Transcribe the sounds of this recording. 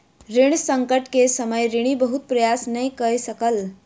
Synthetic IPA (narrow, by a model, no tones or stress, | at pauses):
ɾiɽ̃səŋkəʈkesəməjɾiɽ̃ibəɦut̪̚pɾəjasnəjkəsəkəl